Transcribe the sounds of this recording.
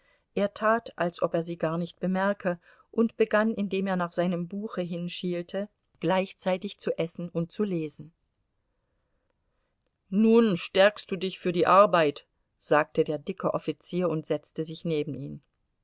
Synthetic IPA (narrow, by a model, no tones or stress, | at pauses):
ʔeːɐtʰaːtʔalsʔɔpeːɐziːɡaːɐnɪçt̚b̥əmɛɐkʰə | ʔʊntb̥əɡanɪndeːmeːɐnaːχz̥aɪnəmbuːxəɦɪnʃiːltʰə | ɡ̥laɪçt͡saɪtɪçt͡suʔɛsn̩ʊnt̚t͡suleːzn̩ | nuːnʃtɛɐkst̚d̥uːdɪçfyːɐdiːʔaɐbaɪt | z̥aːk̚tədeːɐdɪkʰəʔɔfit͡siːɐʊntz̥ɛt͡stəzɪçneːbm̩ʔḭːm